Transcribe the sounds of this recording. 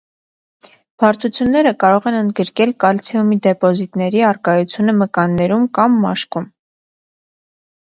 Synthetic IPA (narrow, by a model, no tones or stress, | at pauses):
b̥ʰɑɾt̪ʰut͡sʰjunːɛɾəkɑɾɔʁɛnənd̪ɡəɾkɛlkɑlt͡sʰiumid̪ɛpɔzit̪nɛɾiɑrkɑjut͡sʰjunəməkɑnːɛɾumkɑmːɑ̰ʃkum